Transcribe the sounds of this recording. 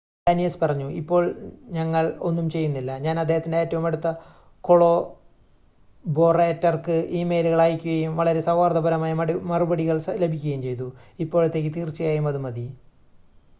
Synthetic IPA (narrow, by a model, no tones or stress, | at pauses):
aːnijɐspɐrɐɲːuipːo̞ːɭɲɐŋːɐɭo̞nːumt͡ɕe̞jːunːilːɐɲaːnɐd̪ːe̞ːhɐt̪ːindeeːtːɐʋumeɽut̪ːɐ | ko̞ɭo̞ː | bo̞ːreːtːɐrkɨʔiːme̞ːjluɣɐɭaːjikʲːuɣɐjumʋɐɭɐɾe̞sɐwaːrd̪ɐbʱɐɾɐmaːjɐmmɐrubɐɽiɣɐɭsle̞bʱikʲːuɣɐjumt͡ɕe̞jt̪uipːoːɻɐt̪ːe̞ːk̬ʲːit̪iːrt͡ɕːɐjaːjumɐðumɐd̪i